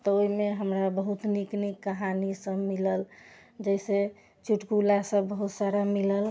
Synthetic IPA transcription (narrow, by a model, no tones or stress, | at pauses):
t̪ɔoimeɦəmɾabəɦut̪niknikːəɦanisə̃miləl | d͡ʒəjse | t͡ʃuʈkulasə̃bəɦut̪saɾamiləl